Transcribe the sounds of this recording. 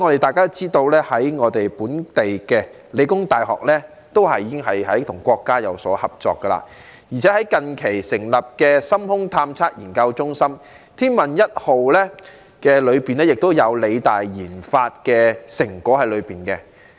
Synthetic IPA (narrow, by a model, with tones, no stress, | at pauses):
ŋɔː˨˧ɾe˨jt̪aː˨jkaː˥t͡siː˥t̪o˧wlɛː˥hɐ˨˥jŋɔː˨˧t̪e˨jpuː˨˥nt̪e˨jkɛː˧ | le˨˧jkʊ˥ŋt̪aː˨˩jɦɔ̰ː˨k̚lɛː˥ | t̪o˥whɐ˨jiː˧˥ɪ˥ŋhɐ˨jhɐ˨˥jt̪ʰʊ˨˩ŋkʷɔː˧kːaː˥jɐ̰˨˧wsɔ̰ː˨˥hɐ˨p̚t͡sɔ̰ː˨kːə˧la̰˧ | jiː˨˩t͡sʰɛː˨˦˥hɐ˨˥jkɐ˧nkʰe˨˩jsɪ˨˩ŋlɐ˨p̚kɛː˧sɐ˥mhʊ˥ŋt̪ʰaː˧mt͡sʰaː˥t̚jiː˨˩nkɐ˧wt͡sʊ˥ŋsɐ˥m | t̪ʰiː˥nmɐ˨˩njɐ˥t̚ho˨wlɛː˥ | kɛː˧lɵ˨˧ɥpiː˨nlɛː˥jɪ˨k̚t̪o˥wjɐ˨˧wle˨˧jt̪aː˨jjiː˨˩nfaː˧t̚kɛː˧sɪ˨˩ŋkɔː˨˥hɐ˨jlɵ˨˧ɥpiː˨nkɛ˧